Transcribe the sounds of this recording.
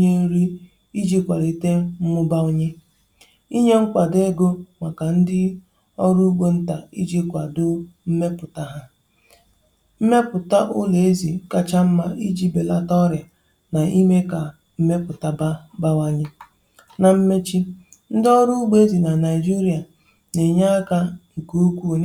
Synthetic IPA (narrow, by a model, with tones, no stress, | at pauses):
ɲe˦ɾi˦ | i˦d͡ʒi˦kʷa˨ɾi˨te˦m̩˦mʊ˦ba˦ʊ˦ɲe˦ | i˦ɲe˦ŋ̩˦kʷa˨de˦ɡo˦ma˨ka˨n̩˦dɪ˦ | ɔ˦ɾu˦ɡ͡be˦n̩˦ta˨i˦d͡ʒi˦kʷa˨dʊ˦m̩˦me˦pʊ˨ta˦ɦa˦ | m̩˦me˦pʊ˨ta˦ʔʊ˦le˨e˦zi˨˦ka˦t͡ʃa˦m̩˦ma˦i˦d͡ʒi˦be˨la˦tɔ˦ɾja˨ | na˨i˦me˦ka˨ | m̩˦me˦pʊ˨ta˦ba˦wa˦ɲɪ˦ | na˨m̩˦me˦t͡ʃi˦ | n̩˦dɔ˦ɾu˦u˦ɡ͡be˦e˦zi˨na˨na˨ɪ˨d͡ʒi˦ɾi˦a˨ | ne˨ɲa˦ka˦ŋ̩˨ku˦u˦kʷu˦o˨˦